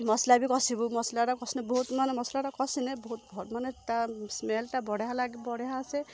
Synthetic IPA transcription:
mɔslabikɔsibumɔslaɾakɔsinɛbɔɦut̪manɛmɔslaɾakɔsinɛbɔɦut̪̚bʱɔtmanɛtasmelʈabɔɽeɦalaɡibɔɽeɦaːsɛ

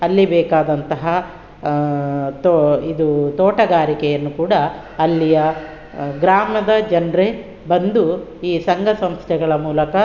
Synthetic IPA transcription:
ɐlːibɛːkaːd̪ɐnt̪ɐɦɐ | t̪id̪ut̪ɔːʈɐɡaːɾikɛjɐnːukuːɽɐː | lːijɐ | ɡɾaːmɐd̪ɐd͡ʒɐnɾe | bɐnd̪uiːsɐŋɡʱɐsɐmst̪ʰɛɡɐɭɐmuːlɐkɐ

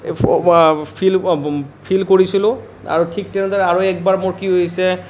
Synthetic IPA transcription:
pʰilpʰilkoɹisilʊ̃ | a̰ɹutʰik̚tɛnɛzaɹɛaɹuɛk̚baɹmoɹkiɦojsɛ

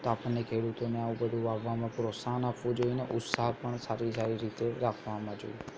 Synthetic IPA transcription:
t̪oapɳːekʰeːɽut̪oneaũbəd̪ʱuaʋːamãpɾosaɦnapʋũd͡ʒoineʔʊt̪saɦpəɳsaɾisaɾiɾit̪eɾakʰʋamãd͡ʒo̰i

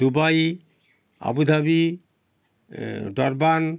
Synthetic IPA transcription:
d̪ubaj | a̰bud̪ʱabi | ɖɔɾban

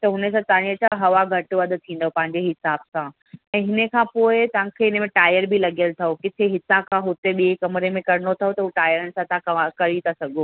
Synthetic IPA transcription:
t̪ɐɦʊnəsãt̪aːɽ̃iɐt͡ɕaɦɐʋaɡʱɐʈʋɐd̪ʊ̆t̪ʰĩːn̆d̪opɐ̃ɦɪ̃ɲd͡ʑeɦɪsaːbsã | ɛ̃ːɦɪnə̆kʰãːpoːɪt̪ɐʋ̤ãkʰeɪnə̆mẽʈaːjəɾbʱilɐɡijəlt̪ʰɐokɪt̪ʰeɦɪsãkʰãːɦʊt̪eɓiekɐmɾemẽkɐɾɪnot̪ʰɐɦot̪ɐɦuʈaːjəɾənɪ̆sãt̪ãkɐɾit̪ʰasɐɡʱoː

